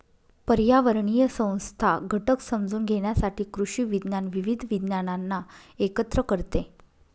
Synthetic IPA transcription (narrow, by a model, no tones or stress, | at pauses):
pəɾjaʋəɾɳijəsə̃w̃st̪ʰaɡʱəʈəksəmd͡zuːnɡʱeɳ̃jasaʈiːkɾuɕiːʋid̪njanʋiʋid̪ʱʋid̪njananːa | ekət̪ɾəkəɾt̪e